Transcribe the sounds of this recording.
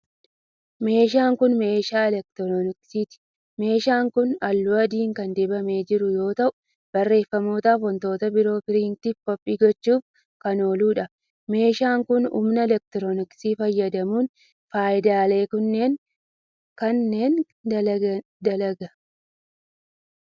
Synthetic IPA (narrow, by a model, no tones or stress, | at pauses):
me̞ːʃ̬aːŋkʊnme̞ːʃaːɛlɛk̚t̪ɾɔnɪksiːt̪ɪ̥ | me̞ːʃaːŋkʊnɐlːʊɐd̪iːŋkɐnd̪ɛbɐme̞ːd͡ʒɪɾʊjo̞ːt̪ɐʔʊ̥ | b̥ɐrːe̞ːfːɐmo̞ːt̪aːfɔnt̪o̞ːt̪ɐbɪɾo̞ːpɪɾiːŋt̪ɪfkɔpʼːiːɡɔt͡ʃːuːf | kɐno̞ːluːᶑɐ | me̞ːʃaːŋkʊnṵːmnɐɛlɛk̚t̪ɪɾɔnɪksiːfɐjːɐd̪ɐmuːn | faːjɪd̪aːle̞ːkʊnːe̞ːŋ | kɐnːe̞ːn | d̪ɐ | d̪ɐlɐɡɐ